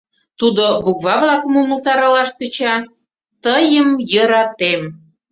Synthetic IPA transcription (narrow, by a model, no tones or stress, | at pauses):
t̪ud̪obukβɑβlɑkmuməzɑɾəlɑʃt̪ət͡ɕɑ | t̪əjəmjəɾɑt̪em